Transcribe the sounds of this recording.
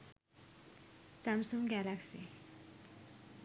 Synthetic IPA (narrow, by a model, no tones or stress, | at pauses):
samsumɡalaksḭ